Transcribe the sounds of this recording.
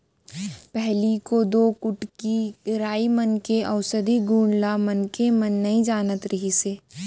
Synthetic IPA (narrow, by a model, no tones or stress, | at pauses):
pɛɦlikod̪oːkʊʈkiɾaːimɐnkeʔɐʋʊsəd̪iɡuːɳlamɐnkemɐnːɐɦĩd͡ʒaːnət̪ɾɐɦiseː